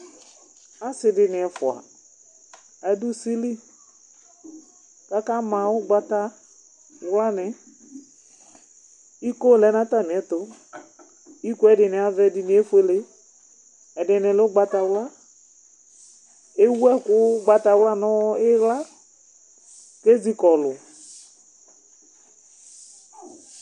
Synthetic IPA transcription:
a˦sɪ˨dɪ˨nɪ˨ɛ˨fʊ˨a̰˨ | ɛ˨˦dʊ˦si˦li˦ | ka˦ka˦mã˨ʊ˦ɡ͡ba˨ta˦ | wla˦nɪ˨ | i˦ko˦lɛ˨˦n˦a˦ta˦˨m˨ɛ˨tʊ˦ | i˦ku˦ɛ˦dɪ˨nɪ˨a˨vɛ˦dɪ˨nɪ˨˦e˦fu˦e˨le˦ | ɛ˨dɪ˨nɪ˨lɪ˦ʊ˦ɡ͡ba˨ta˨wla˦ | e˦wu˦ɛ˦kʊ˦ɡ͡ba˨ta˨wla˦nɔ˦ɪ˦ɣla˦ | ke˦zi˨kɔ˨lʊ˨

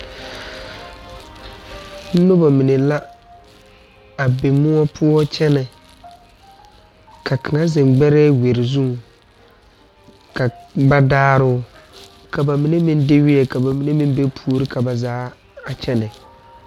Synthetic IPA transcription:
n̩˦nʊ˦ba˨mi˨ne˨la˦ | a˨be˨mʊ˦ɔ˦pʰʊ˦ɔ˦t͡ʃɛ˦nɛ˨ | kʰa˨kʰɨ˨ŋa˦zɛ˨mɡ͡bɛ˦ɾɛː˦we˨ɾɪ˨zu˦ŋ˨ | ka˨ba˦daː˦ɾʊ˦ | ka˨ba˨mi˨ne˦mi˦n˦dɪ˦wɪ˦ɛ˨ka˨ba˨mi˨ne˦mi˦be˦pʰu˦o˦ɾɪ˦kʰa˨ba˨zaː˨˦ | a˨t͡ʃɛ˦nɛ˨

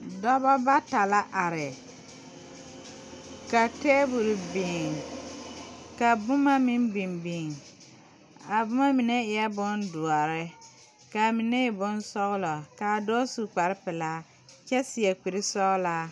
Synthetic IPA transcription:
dɔ˦bɔ˦ba˦ta˨la˦ʔa˨ɾɪ˨ | ka˨teː˦bu˨ɾi˨bɪ˨ŋ | ka˨bʊ˦ma˦mɪ˦mbi˨mbi˨ŋ | a˨bʊ˦ma˦mi˨nɛ˦ɪ˨ɛ˦bʊ˦ndʊ˨a˨ɾɪ˦ | ka˨mɪ˨nɛ˦ɪ˨bʊ˦nsɔ˦ɣlɔ˨ka˨do˦su˨k͡pa˨ɾɪ˦pɪ˨la˦ | t͡ʃɛ˦sɪ˨ɛ˨k͡pi˨ɾɪ˦sɔ˦ɣlaː˦

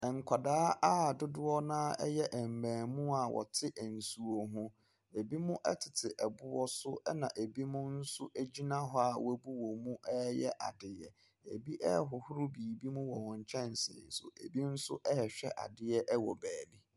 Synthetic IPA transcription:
ɛ˨ŋ̩˨kʷʰa˨daː˦a˦˨dʊ˦dʊ˦ɔ˦nãː˦ɛ˦jɛ˦ʔɛ˨m̩˨mæ̃ː˨mũ˦a˨wʔɔ̰˨tʰɪ˦ʔɛ˨n̩˨su˨o˨ɦũ˦ | e˨bi˦mũ˦ʔɛ˦tʰɪ˨tʰɪ˨ʔɛ˨bʊ˦wɔ˦sʊ˦ɛ˦nã˨ʔe˨bi˦mʊ̃˦n̩˦sʊ˦ʔæ˦d͡ʑi˦nã˦ɦɔ˦a˨wæ˦bu˦wɔ˨mũ˦ʔɛ˦jɛ˦ʔa̰˨dɪ˨jɛ̰˨ | e˨bi˦ʔɛ˦ɦʊ˨hʊ˦ɾu˦biː˨bi˦mũ˦wɔ˨wɔ̃˨ɲ˨t͡ɕʰɛ̃˦n˨sɪ̰ː˨sʊ̰˨ʔe˨bi˦n̩˦sʊ̰˦ʔɛ˦ɛ˨ɕᶣɛ˦ʔa̰˨dɪ˦ɛ˦ʔɛ˦wɔ˨bæː˨ni˦

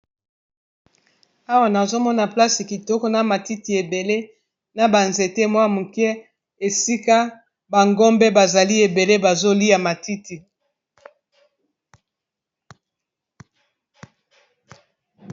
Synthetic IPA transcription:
a˦wa˨na˨zo˦mɔ˦na˨pla˦si˨ki˨tɔ˦kɔ˦na˨ma˨ti˦ti˨e˨be˨le˦ | na˨ba˨nze˨te˦mwa˦mu˨kɛ˦ | e˨si˦ka˦ | ba˨ŋɡɔ˦mbɛ˦ba˨za˨li˦e˨be˨le˦ba˨zo˦li˦a˨ma˨ti˦ti˨

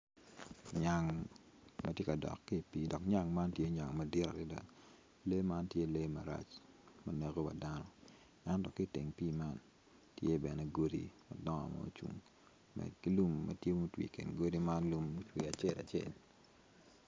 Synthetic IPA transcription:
ɲa˨ŋ | mɐtje˦ka˨dɔ̰˨kːi˦˨piː˦dɔ˨kɲa˦˨ŋma˦ntje˦ɲa˨ŋmɐ˦dɪ˦ɾa̰˨ɾɪ˦da̰˨ | le˦ma˦ntje˦le˦ma˨ɾa̰˦t͡ʃ | mɐ˨ne˨ɡo˦wa̰˨da˦nɔ˦ | ɛ˦ntɔ˨ki˦te˨ŋpiː˦ma˦n | tje˦bɛ˨nɛ˨ɡo˦dḭ˦mɐ̰˨dɔ˦a̰˨mɔ̰˦t͡ʃṵ˨ŋ | mɛ̰˨dki˦lu˦mːɐ̰˨tje˦mu˦twḭ˨kḛ˨nɡo˦di˦ma˦nlu˨mːu˦twi˨a˨t͡ʃe˦˨la̰˨t͡ʃjḛ˦˨l

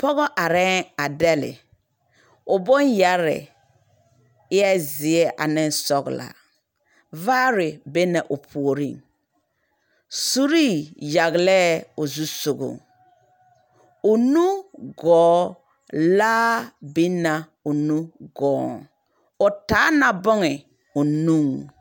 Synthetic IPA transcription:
pɔ˦ɣɔ˦ʔa˨ɾɛ˦ŋa˨dɛ˦lɪ̰˨ | ʊ˨bɔ˦nja˦ɾɪ̰˨ | ɪ˦ɛ˦zɪ˨ɛ˦ʔa̰˨nɪ˦n˦sɔ˦ɡla̰˨ | vaː˦ɾɪ˨be˦na˨ʔʊ˨pʰu˨o˨ɾḭ˦˨ŋ | su˦ɾi˦˨ja˨ɣlɛ˦ʊ˨zu˦sʊ˨ɡʊ̰˨ŋ | ʊ˨nu˦ɡɔː˨˦ | laː˦bi˦na˨ | ʊ˨nũ˦ɡɔː˨˦ŋ | ʊ˨taː˨˦na˨bɔ˦ŋɪ˨ | ʊ˨nu˦˨ŋ

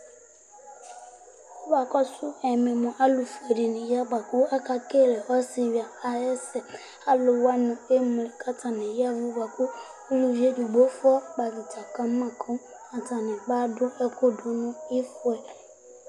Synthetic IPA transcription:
ɔ˦ba˨kɔ˦sʊ˦ɛ˨mɪ̃˨mɔ̃˨ʔa˦lu˨fe˨di˨nɪ̃˨ja˦ɡ͡ba˨kʊ˦a˦ka˦ke˦˨lɛ˨ɔ˦sɪ˨wi˨a˨a˨jɛ˦sɛ˨ | a˦lʊ˨wa˦nʊ̃˨e˦m˨lɪ˨kʰa˦tʰa˨nɪ̃˨ja˦vʊ˦ɡ͡ba˨kʊ˦ | lu˨d͡ʒe˦du˨ɡ͡bo˦fʊ˦ɔ˦ɡ͡ba˨ɡɪ˨tʰa˨ka˨˦mã˨kʰʊ̃˦ | a˨tʰa˨nɪ̃˨ɡ͡ba˦dʊ˦ɛ˦kʰo˦dʊ˦nʊ̃˦ɪ˦fʊ˨˦ɛ˨

